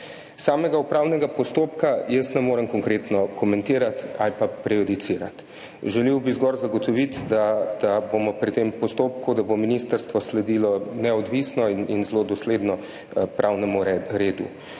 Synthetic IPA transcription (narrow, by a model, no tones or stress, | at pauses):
saːmɛɡaupɾawnɛɡapɔst̪oːpkajəst̪nɛmoːɾəmkɔŋkɾeːt̪nɔkʰɔmɛnt̪iːɾat̪a̰lipapɾɛjɔd̪it̪siːɾa̰t̪ | ʒɛliwbizɡɔɾzaɡɔt̪ɔʋit̪d̪ad̪̥abomɔpɾit̪empɔst̪oːp̚kud̪abominist̪əɾst̪ʋɔslɛd̪iːlɔnɛɔd̪ʋiːsnɔininzlod̪ɔsleːd̪nɔ | pɾʔawnɛmuɾeːd̪ṵ